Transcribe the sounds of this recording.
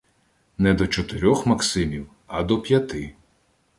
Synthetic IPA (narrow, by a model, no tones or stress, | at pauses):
nɛd̪ɔt͡ʃɔt̪ɪɾʲɔxmɐksɪmʲiw | ɐd̪ɔpʲjɐt̪ɪ